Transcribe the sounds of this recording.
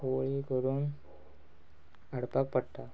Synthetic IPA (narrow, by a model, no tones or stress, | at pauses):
oɭikəɾuːn | ɐɽpak̚pəɽʈ̪ːa